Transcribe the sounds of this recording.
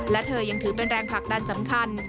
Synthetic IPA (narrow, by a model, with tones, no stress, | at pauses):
lɛ˦˥t̪ʰɤː˧ja˧ŋt̪ʰɯː˩˦p̬e˧nɾɛː˧ŋpʰa˨˩k̚da˧nsa˩˦mkʰa˧n